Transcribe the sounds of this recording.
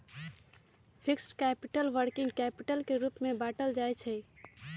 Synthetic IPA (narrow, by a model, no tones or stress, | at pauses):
pʰiksʈkɛpiʈəlʋəɾkiŋɡkɛpiʈəlkeɾupmebaʈəld͡ʒajt͡ʃʰɛ